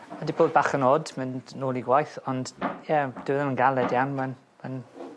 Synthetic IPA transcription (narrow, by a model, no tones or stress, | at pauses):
adiboːd̚baːχənoːdmɪnnoːlˠiɡwajθɔnd̥jɛd̥ɪwðəmənɡalˠɛdjawnman | man